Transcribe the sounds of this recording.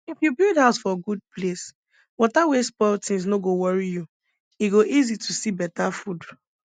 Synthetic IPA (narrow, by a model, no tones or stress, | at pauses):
ifjubildhaʊsfɔɡud̚ples | wɔtawespɔtĩns̬noɡowɔɹiju | iɡoʔizitʰusibɛtafud